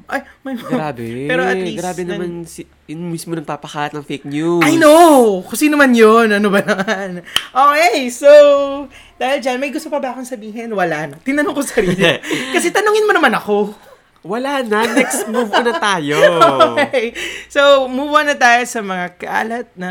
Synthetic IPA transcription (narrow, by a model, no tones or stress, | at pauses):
ʔɐj | mɐjmɡɾaːbɛpɛːɾoʔɐliɡɾaːbɛnɐmans | jʊnmismonɐŋpapɐkaːlɐt̪nɐŋfejk̚nuɐjnokoŋsiːnomanjonʔɐnobɐnɐmmanʔoːkejsow | d̪aːhɪld͡ʒanmɐjɡʊst̪opɐbɐɐkonsɐbiːɦɛnwɐlanɐt̪ɪnɐnoŋkosɐɾiːlikɐsɛt̪ɐnuŋɪnmɐnɐmanɐko̞ | wɐlanɐnɛksmubnɐt̪aːjookkejsowmubʊɐnɐt̪aːjo̞sɐmɐŋakɐʔa̰ːlɐt̪̚nɐ